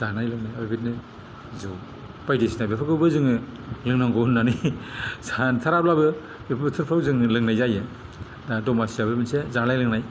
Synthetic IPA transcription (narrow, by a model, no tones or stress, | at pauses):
z̥anajlɯŋnajabibitnɯ | zɯw | pajdisnabepʰɯkɯwbɯzɯŋɯlɯŋnaŋɡɔnːanisʰantʰaɾaplabɯ | bepʰtʰɯɾpʰawzɯŋɯlɯŋnajzajɯ | dadɔmasiabebinsezanajlɯŋnaj